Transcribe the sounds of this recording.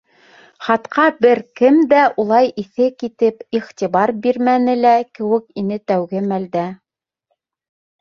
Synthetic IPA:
χɑt̪qʰɑbɘɾkɘmd̪æʔulˠɑjʔiθɘkit̪ɘpiχt̪ʲiβɑɾbiɾmænɘlækɘ̆wɘ̆kinɘt̪æwɡɘmæld̪æ

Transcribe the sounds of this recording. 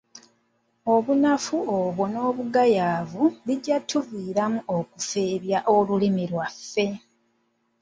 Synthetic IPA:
o̞βunafuoːβo̞no̞ːβuɡajaːvuβiɟatʰuvwiːɾamuʔo̞kufe̞ːβjaʔolulimilwafːe̞

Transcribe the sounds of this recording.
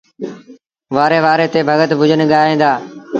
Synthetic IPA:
ʋaːɾeːʋaːɾeːt̪eːbʱəɡət̪bʱʊd͡ʒənɠaːĩ̆ːd̪aː

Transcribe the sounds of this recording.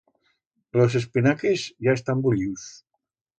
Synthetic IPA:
los̬e̞spinakezjaest̪ambuʎius

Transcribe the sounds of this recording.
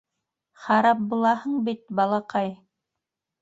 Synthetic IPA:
χɑɾɑp̚bulˠɑhɤɴbit̪̚bɑlˠɑqɑj

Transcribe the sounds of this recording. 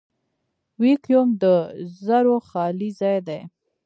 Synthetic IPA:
wikjomd̪əzaɾoxɑlizɑjd̪aj

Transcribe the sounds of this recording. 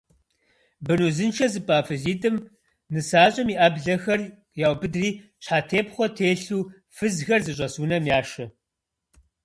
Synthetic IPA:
bɨnuːzɨnt͡ʃʰɐzɨpʼaːfɨziːtʼɨm | nɨsaːɕʼɐmiːʔɐbɮɐxɐr | jaːwbɨdriːɕħaːtʰeːpχʷɔtʰeːɬuː | fɨzxɐrzɨɕ̬ʼɐsuːnɐmjaːʃɐ

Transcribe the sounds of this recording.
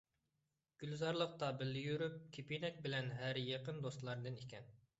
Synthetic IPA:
ɡ̥ʲylzɑɾlˠəq̚t̪ɑbɪlːɪjyɾyp̚kʲʰepinɛk̚ʲbɪlɛnɦæɾjeqənd̪ost̪lˠɑɾd̪ɨnikʲɛn

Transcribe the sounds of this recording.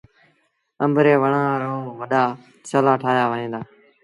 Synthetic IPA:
əmbɾeːʋəɳãːɾoːʋəɗaː | t͡ʃəlaːʈʰaːjaːʋəɦẽːd̪aː

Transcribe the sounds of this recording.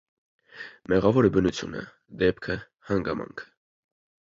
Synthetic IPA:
mɛʁɑvɔɾəbənut͡sʰjṵnə̰ | d̪ɛpkʰə | hɑŋɡɑmɑ̰ŋkʰə̥

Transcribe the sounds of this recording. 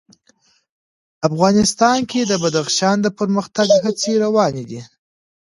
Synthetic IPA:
afɣɑnɪst̪ɑnkʰed̪əbad̪axʃɑnd̪əpəɾməxt̪aɡɦat͡seɾawɑned̪i

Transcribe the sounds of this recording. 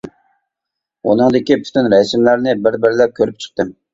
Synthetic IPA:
ṵnɨŋd̪ɪkʲipʰy̥t̪ynɾɛsɪmlæɾnɪbɪɾbɪɾlɛp̚kʲʰøɾyp̚t͡ʃʰə̥χ̚t̪ɨm

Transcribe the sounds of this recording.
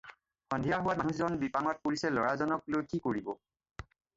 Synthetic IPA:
xɔndʱijaɦʊwamanuszɔnbipaŋɔt̚poɹisɛlɔɹazɔnɔk̚lojkikoɹibɔ

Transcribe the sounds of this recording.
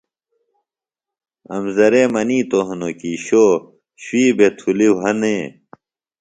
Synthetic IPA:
ɐ̰mzɐɾeːmɐniːt̪oɦnokiːɕoː | ɕwiːbet̪ʰuliwɦɐneː

